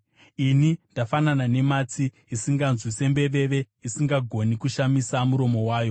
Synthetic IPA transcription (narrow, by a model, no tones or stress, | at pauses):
inindafananane̞mat͡siːsiŋɡanzwise̞mbe̞ʋe̞ʋe̞ | isiŋɡaɡʱo̞nikuʃamisamuɾo̞mo̞waːjo̞